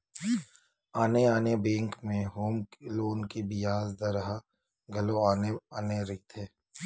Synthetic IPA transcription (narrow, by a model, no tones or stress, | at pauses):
aːneaːnebẽːŋkmẽɦoːmkeloːnkibɪjaːzd̪ɐɾəɦa | ɡʱɐloaːneaːneɾɪt̪ʰeː